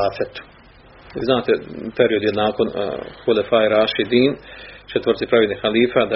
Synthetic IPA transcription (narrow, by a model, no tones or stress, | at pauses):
aːfet̪u̥ | iznaːt̪epeɾio̞d̪jelnaːkon̰xulefajɾaːʃid̪iːnt͡ʃɛt̪ʋərɾt̪sipɾaʋelʲnixaliːfad̪a